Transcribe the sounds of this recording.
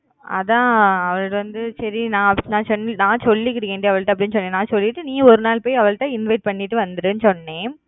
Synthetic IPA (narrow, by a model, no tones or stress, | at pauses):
ɐ̰ðãːɐʋɐɭɯʈʋɐnd̪ɯsɐɾinãːnãːsɔnːnãːsɔlːik̬ːɪɽɯkːeːɳɖiɐʋɐɭʈːãɐp̬ːɐɽɪnɯs̬ɔnːẽːnãːsɔlːɪʈːɯnĩːɔɾɯnaːlpoːjɐʋɐɭʈ̪ːãːɪnʋɐɪʈ̚pɐɳːɪʈːɯʋɐnd̪ɐɾɯnɯsɔnːeː